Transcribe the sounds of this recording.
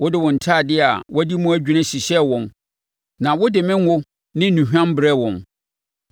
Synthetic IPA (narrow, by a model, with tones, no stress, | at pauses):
wɔ˦dɪ˦wɔ̃˨n̩˨tʰaː˦˨dɪ˦a˨wʔɔ˦di˦mũ˦æ˦d͡ʑᶣu˨nã˦ɕi˨ɕɛ˦wɔ̃˨n | nã˨wʊ˦dɪ˨mɪ̃˦ŋ˦ʊ˦ | nɪ̃˦nũ˨ɦᶣã˦mbɾɛ˦wɔ̃˨n